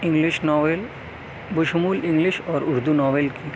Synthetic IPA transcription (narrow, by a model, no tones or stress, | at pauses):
ɪ̃ŋliʃnɔːʋel | bʊʃumuːlɪ̃ŋɡlɪʃɔːɾʊɾd̪unɔːʋelki